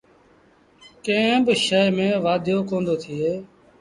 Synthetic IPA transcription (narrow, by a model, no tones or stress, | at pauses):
kẽːbʃəmẽːʋaːd̪ʱjoːkõːnd̪oːt̪ʰɪeː